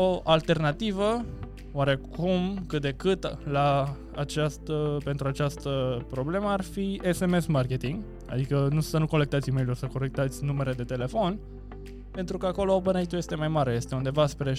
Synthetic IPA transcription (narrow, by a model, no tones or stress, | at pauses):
oʔalt̪e̞rnat̪ivə | oaɾe̞kʰumkɨt̪̚d̪e̞kɨt̪laː | t͡ʃast̪əpe̞nt̪ɾuat͡ʃast̪əpɾo̞ble̞məarfie̞se̞me̞smarke̞t̪iŋɡ | a̰d̪ikənusənuko̞lek̚t̪at̪sʲime̞jlursəko̞le̞k̚t̪at̪sʲnume̞ɾe̞d̪e̞t̪e̞le̞fo̞n | pe̞nt̪ɾukəako̞lo̞pɨnait̪uje̞st̪e̞majmaɾe̞je̞st̪eund̪e̞vaspɾe